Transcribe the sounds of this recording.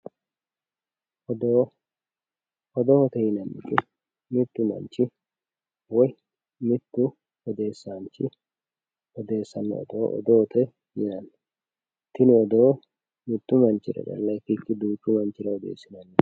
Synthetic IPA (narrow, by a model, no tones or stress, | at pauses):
ɔd̪o | ɔd̪ɔhɔt̪ɛjɪnɐnːɪ̰kɪ | mɪt̪ːʊmɐ̰nt͡ʃːɪ | wɔj | mɪt̪ːʊ | ɔd̪e̞ːsːant͡ʃɪ | ɔd̪e̞ːsːɐnːɛ̰ɔ̰d̪oːʔɔ̰d̪ɔɔt̪ʰɛ | jɪnɐnː | t̪ːɪnʊɔd̪oː | mɪt̪ːʊmɐnt͡ʃːɪɾɐ̰dɐ̰lːɐfɪkːɪd̪uːt͡ʃːʊmɐnt͡ʃːɪɾɐɔd̪ḛːsːɪnɐnːɛ